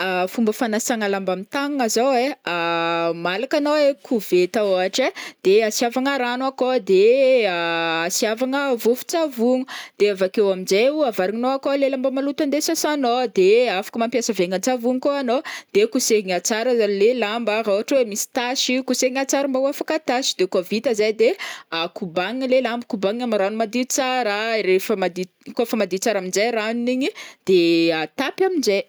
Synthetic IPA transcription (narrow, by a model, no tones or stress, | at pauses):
afumbəfanasaŋalambamit̪aŋŋazaweamalakanoekʰuvet̪aoaʈ͡ʂad̪̥easiavaŋaɾanwakod̪e | asiavaŋəvufu̥t͡savuŋud̪̥eavakewaminzeuavaɾiŋinoakolelambəmalut̪and̪esasanod̪eafḁkəmampjasəveŋant͡savuŋikoanod̪̥ekuseŋat͡saɾazalelambaɾauaʈ͡ʂwemisi̥t̪aʃikuseŋat͡saɾumbauafakat̪aʃi̥d̪ekovit̪əzajd̪eakubaŋlelambəkubaŋamaɾanumad̪it͡saɾəɾefəmad̪i | kofəmad̪it͡saɾamind͡ʒajraniniɲid̪̥eat̪apamind͡ʒe